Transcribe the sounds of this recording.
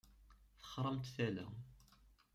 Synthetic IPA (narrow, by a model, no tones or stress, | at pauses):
θə̥χɾˤəmt̪θælæ̰